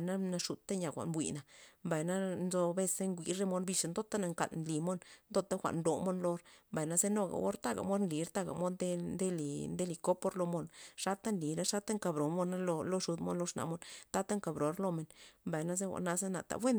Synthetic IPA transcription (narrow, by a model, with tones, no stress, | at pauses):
na˦na˧ʂu˨t̪a˦ɲa˨xʷa̰˨nbʷwḭ˨na˨mba˨jna˦nzo˧be˦˧se˦ŋɡʷi˧˦ɾe˦mo˧nbi˧ʂa˧nd̪o˦t̪a˦na˧ŋka̰˨lnli˨mo˦nnd̪o˦˧t̪a˦xʷa̰˨ʔnd̪o˨mo˦nlo˧ɾmba˨jna˦ze˦no˧ɡa̰˨wo̰˦ɾt̪a˦˨ɡa̰˨mo˦d̪nli˨˦ɾt̪a˦ɡa̰˨mo˧˦d̪e˦nd̪e˦li˨nd̪e˦li˧ko˦po˦ɾlo˧mo˧nʂa˦t̪a˦nli˨ɾa˦ʂa˦t̪a˦ŋka˨bɾo˨˦nmo˧na˦lo˧lo˧ʂu˨˧d̪mo̰˦nlo˧˦ʂna̰˨mo˦nt̪a˦t̪a˦ŋka˨bɾo˨˦ɾlo˧me˨nmba˨jna˦ze˦xʷa̰˨na˧ze˦na̰˨t̪a̰˨bwe˦n